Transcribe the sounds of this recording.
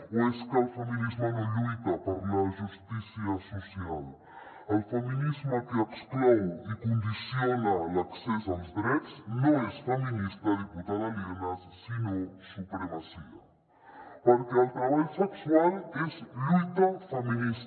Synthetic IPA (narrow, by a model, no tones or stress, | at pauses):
weskɐlfɐminizmanɐlut̪ɐpaɾumɐʒust̪isiɐsosial | ɐlfɐminizmakeɐksklowikõnd̪isjonɐlaksesawzd̪ɾɛt̪snõesfɐminist̪ɐðiput̪aðalinɐssinõsupɾemasiɐ̰ | paɾkeɐlt̪ɾaβaʎsekswalezlut̪ɐfɐminis